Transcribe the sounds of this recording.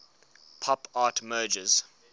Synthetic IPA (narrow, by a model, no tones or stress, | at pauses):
pʰɔpʰɑːtmɜːd͡ʒəz̥